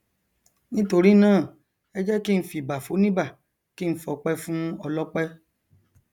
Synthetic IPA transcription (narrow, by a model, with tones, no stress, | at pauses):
nĩ˦to˧ɾi˦nãː˦˨ | ɛ˦d͡ʒɛ˦ki˦n̩˦fi˨ba˨fo˨˦nĩ˦ba˦˨ | ki˦n̩˦fɔ˧k͡pɛ˦fũ˦ɔ˧lɔ˦k͡pɛ˦